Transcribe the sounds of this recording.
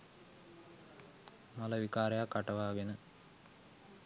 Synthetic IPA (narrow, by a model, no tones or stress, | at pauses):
mɐlɐʋikaːɾɐjakːɐʈɐʋaːɡenɨ